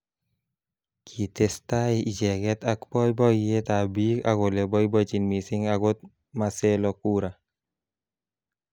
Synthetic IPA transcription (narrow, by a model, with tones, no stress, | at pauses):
kʰi˨testa˦i˦i˨d͡ʒɛ˨kɛ˦takbɔ˦jbɔ˦e˦ta˨bi˦ka̰˨ɡo˨le˨bɔ˦jbɔ˦t͡ʃi˨nmi˨si˦ŋaɡo˦t̚ | ma˨se˦lɔku˦ɾa˨